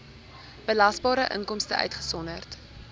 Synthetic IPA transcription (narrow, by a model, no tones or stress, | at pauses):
b̥əlɐsbɑːɾəʔə̰ŋkɔmstəʔœ̰ɥtχə̥sɔnərt